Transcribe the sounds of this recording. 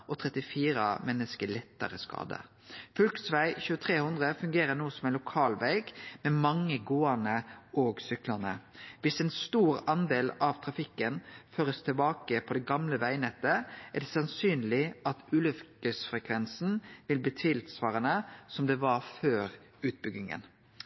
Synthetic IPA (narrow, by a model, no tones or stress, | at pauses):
ʔɔt̪ʰɾɛt̪ɪfiːɾə̰mɛnːəskəɭɛt̪ːəɾəskɑ̰ːd̪ə̰ | fʉlksʋæɪçʉːət̪ʰʁeːhʉnd̪ʁəfʉŋɡeːɾənuːəsɔmæɛnlʊkʰɑːlʋæɪɡmɛmɑŋːəɡoːɑnəɔːɡsʏklɑnəʋɪsɛnst̪uːɾɑnd̪eːlɑʋt̪ʰɾɑfɪkːənføːɾəst̪ʰɪlbɑːkəpʰɔd̪ɛɡɑmləʋæɪnɛt̪ːəæɖ̪ɛsɑnsyːnlɪʔɑt̪ʉːlʉfkəsfʁɛkʰʋɛnsn̩ʋɪlbiːt̪ʰʋiːlt̪sʋɑːɾənəsɔmd̪ɛʋɑføːɾ | ʉːt̪̚bʏɡ̪ɪŋə̰n